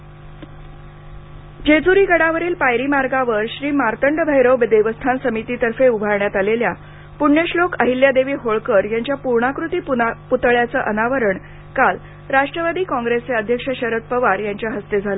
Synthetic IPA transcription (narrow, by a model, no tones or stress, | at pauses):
d͡ʑed͡zuɾiːɡəɽaʋəɾiːlpajɾiːmaɾɡaʋəɾɕɾiːmaɾt̪əɳɖbʱəjɾəwbed̪eʋəst̪ʰansəmit̪it̪əɾfeubʱaɾɳjat̪alelja | puɳjeɕlokəɦiljad̪eʋiːɦoɭkəɾjaɲt͡ɕjapuɾɳakɾut̪iːpput̪əɭjat͡səʔənaʋəɾəɳ | kal | ɾaʂʈɾəʋad̪iːkɔ̃ŋɡɾeseəd̪ʱjəkʂəɕəɾət̪̚pəʋaɾjaɲt͡ɕjaɦəst̪ed͡zʱalə